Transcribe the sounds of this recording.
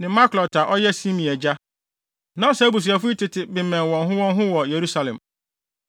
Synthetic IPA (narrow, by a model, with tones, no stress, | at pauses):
nɪ̃˨ma˦klɔ˨ta˨ʔɔ˦jɛ˦sĩ˦mĩ˨ɛ˨d͡ʑa˦ | nã˨˦sa˦bu˨s̬i˨a˨fʊ˦i˦tɪ˨tʰɪ˨bɪ˨mɛ̃˨nwɔ̃˨nɦʊ̃˦wɔ̃˦nɦʊ̃˦wɔ˨je˨ɾu˦sa˨lɛ̃˨m